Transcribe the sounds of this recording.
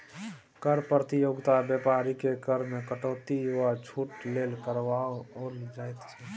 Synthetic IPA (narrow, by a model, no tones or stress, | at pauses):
kəɾpɾət̪ijoːɡt̪abjɛːpaɾikekəɾmẽkəʈoːt̪ijuwat͡ʃʰuːʈleːlkəɾwaoːld͡ʒaːet̪t͡ʃʰɛ